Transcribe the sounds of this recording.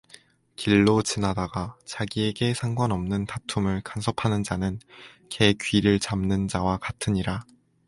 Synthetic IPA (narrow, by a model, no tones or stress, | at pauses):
kiɭːot͡ɕinadaɡat͡ɕaɡie̞ɡe̞sʰaŋɡwanʌmnɯntatʰumɯɭkansʰʌpʰanɯnd͡ʑanɯn | kʰe̞kɥiɾɯɭt͡ɕamnɯnd͡ʑawakatʰɯɲiɾa